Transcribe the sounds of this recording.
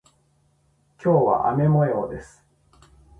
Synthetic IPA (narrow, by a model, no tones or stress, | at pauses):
kʲo̞ːβa̰ʔame̞mo̞eod̪e̞sɨ̥